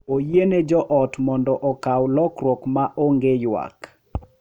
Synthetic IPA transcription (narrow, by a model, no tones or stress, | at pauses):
ojened͡ʒɔʔɔtmɔndɔʔɔkawlɔkɾwɔkmaʔoŋɡejwa̰k